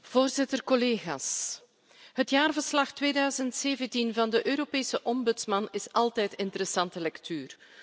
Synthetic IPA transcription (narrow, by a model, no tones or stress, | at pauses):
v̥oːrzɪtərkɔleːɣa̰ːs | ɦətjaːrvər̥slɑxtʋeːdœːzəntseːvəntinvɑndəʔøːɾopeːsəʔɔmbʏtsmɑnɪsɑlˠtɛjtɪntəɾɛsɑntəlɛktyːr